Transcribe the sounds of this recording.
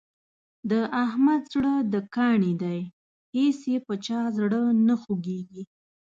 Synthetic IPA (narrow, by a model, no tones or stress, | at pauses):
d̪əʔahmad̪zɽəd̪əkɑɳid̪aj | hesjepət͡ʃɑzɽənəxoɡeɡi